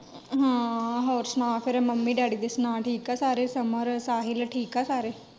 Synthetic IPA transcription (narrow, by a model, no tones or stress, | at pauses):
ɦãːɦoːɾsnãːpʰɪɾməmːiːɖaːɽiːd̪esnãːʈʰiːkɛːsaːɾeːsəməɾsaːɦɪlʈʰiːkɛːsaːɾeː